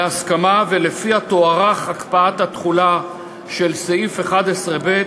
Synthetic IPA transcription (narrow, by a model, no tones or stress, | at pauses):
askamavele̞fihat̪oaʁaχhakpaat̪hat̪χula | ʃelseifeχad̪esʁebe̞t